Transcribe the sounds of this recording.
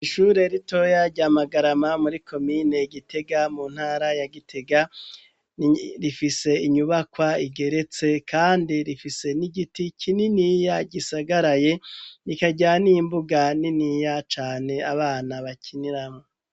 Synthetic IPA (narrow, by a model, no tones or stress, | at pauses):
iʃuːɾe̞ɾito̞jaɾɟaːmaɡaɾamamuɾikʰo̞miːne̞ɡitʰe̞ɡamuːn̥haːɾajaɡitʰe̞ɡa | ɾifise̞iɲuβakwaiɡe̞ɾe̞t͡se̞kʰaːndiɾifise̞niɡitikʰininijaɟisaɡaɾaje̞nikaɟanimbuɡaniniːjat͡ʃaːne̞aβaːnaβacʰiniɾamo